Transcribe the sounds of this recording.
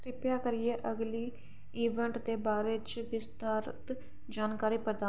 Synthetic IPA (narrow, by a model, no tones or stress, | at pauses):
ɾɪpjaːkəɾɪeːʔəɡliː | iːʋəɳʈd̪eːbaːɾeːt͡ʃʋɪst̪aːɾt̪ | d͡ʒaːnkaːɾiːpɾəd̪aː